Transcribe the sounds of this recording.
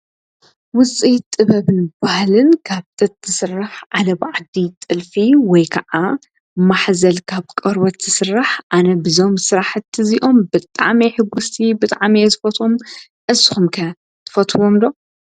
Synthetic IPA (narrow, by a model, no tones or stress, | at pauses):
wʊt͡sʼit̪ʼɨβɐβɨnbahlɨnkʰaβt̪ʼɨt̪zɨsɨraħʕalɐbʕad̪it̪ʼɨlfiwɔjkʰɐʔa | maħzɐlkʰaβkʼɐɾwɐt̪z̥ɨsɨrːaħʔanɐbɨzo̞msɨɾaħɨt̪ʰːɨziʔo̞mbɨt̪ʼa̰ʕmiħɨɡːust̪ʰibɨt̪ʼaʕmizɨfɐt̪ʰum | ʔɨsɨxumkʰɐ | t̪ʰɨ̥fɐt̪ʰwomd̪o̞